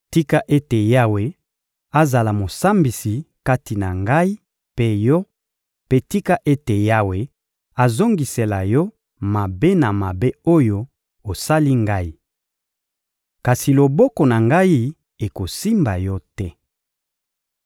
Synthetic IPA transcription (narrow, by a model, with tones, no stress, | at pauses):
ti˦ka˦ʔe˦te˨ja˦we˦ | a˦za˨la˨mo˨sa˦mbi˨si˨ka˦ti˨na˨ŋɡa˦i˦ | pe˦jɔ˦ | pe˦ti˦ka˦ʔe˦te˨ja˦we˨ | a˨zo˦ŋɡi˨se˨la˨jɔ˦ | ma˨be˦na˨ma˨be˦o˦jo˦ | o˨sa˦li˦ŋɡa˦i˨ | ka˨si˨lo˨bɔ˦kɔ˨na˨ŋɡa˦i˦ | e˨ko˨si˦mba˨jɔ˦tɛ˦